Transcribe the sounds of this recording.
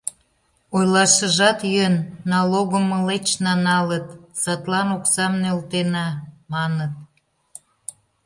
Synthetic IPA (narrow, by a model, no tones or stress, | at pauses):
ojlɑʃə̆ʒɑt̪jønːɑloɣəmːəlet͡ɕnɑnɑlət̪sɑt̪lɑnoksɑmnølt̪enɑmɑnət̪̚